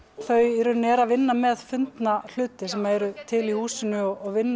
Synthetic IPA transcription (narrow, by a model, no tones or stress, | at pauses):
θœɥɛɾʏnɛɾavɪnːamɛðfʏnt̪nal̥ʏːt̪ɪsɛmaɛɾʏt̪ʰɪlihuːsɪnʏɔɔɣvɪnː